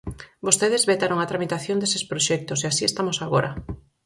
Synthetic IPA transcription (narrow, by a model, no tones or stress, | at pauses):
bost̪eðezβet̪aɾoŋat̪ɾamit̪aθjõnd̪esespɾoʃɛk̚t̪oseasiest̪amosaɣoɾʔɐ̰